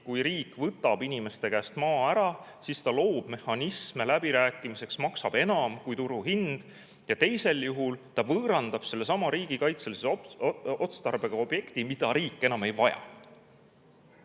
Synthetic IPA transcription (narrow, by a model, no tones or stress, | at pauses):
kujɾiːkːˑvɤt̪ːˑɑb̥inʲime̞st̪e̞kæːst̪mɑːæɾɑsist̪ɑlo̞ːb̥me̞hɑnisme̞læb̥iɾæːkːˑimise̞ksmɑksɑb̥e̞nɑmkujt̪uɾuɦind̪̥ | jɑt̪e̞jse̞ljuɦult̪ɑvɤːɾɑnd̪̥ɑb̥se̞lːe̞sɑmɑɾiːɡ̥ikɑjt̪seliseot̪st̪ɑrb̥e̞ɡ̥ɑo̞b̥je̞kt̪imid̪ɑɾiːkːˑe̞nɑme̞jvɑjɑ̰